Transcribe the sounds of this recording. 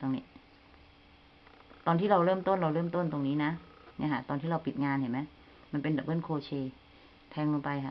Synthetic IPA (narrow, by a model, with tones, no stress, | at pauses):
t̪o˧ŋniː˦˥ | t̪ɔː˧nt̪ʰiː˥˩ɾa˧wɾɤː˥˩mt̪o˥˩nɾa˧wɾɤː˥˩mt̪o˥˩nt̪o˧ŋniː˦˥na˦˥ | ni˥˩˨kʰa˧˥˩t̪ɔː˧nt̪ʰiː˥˩ɾa˧wpi˨˩t̪̚ŋaː˧nha˨˩ma˦˥ | ma˧npe˧nda˨˩ɤː˥˩˨nkʰoː˧t͡ɕʰeː˧ | t̪ʰɛː˧ŋlo˧pa˧jkʰa˧˥˩ʔ